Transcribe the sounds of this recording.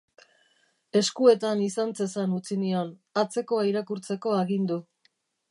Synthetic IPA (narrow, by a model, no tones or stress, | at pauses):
e̞skue̞t̪anisant͡se̞sanut͡sinio̞nat͡se̞ko̞aiɾakuɾt͡se̞ko̞aɣind̪u